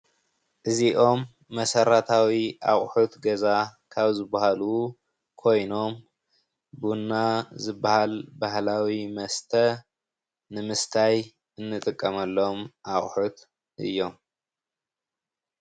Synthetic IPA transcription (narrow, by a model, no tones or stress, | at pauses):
ʔɨziʔo̞mː | ɐsɐɾat̪ʰawiʔaχʼħut̪ɡɐzakʰaβzɨbːahalu | kʰo̞jno̞m | bunːazɨbːahalbahlawimɐst̪ʰɐ | nɨmɨst̪ʰaj | ɨnːɨt̪ʼɨkʼːɐmɐlːomʔaχʼħut̪ | ʔɨ̰jːo̞m